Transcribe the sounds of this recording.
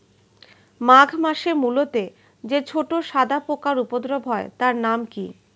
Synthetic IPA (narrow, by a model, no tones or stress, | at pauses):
maɡʱmaʃemulot̪e | d͡ʑet͡ɕʰoʈoʃad̪ʱapokaɾupod̪ɾobʱɦɔet̪aɾnamki